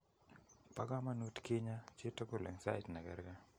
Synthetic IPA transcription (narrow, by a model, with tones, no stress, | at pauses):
pa˦ɡa˦ma˦nu˦tkɪ˦ɲa˦t͡ʃɪ˦to˦ko˦˨lɛ̰˨ŋsa̰˦jtna˨ɡɛ̰˨ɾɡa˦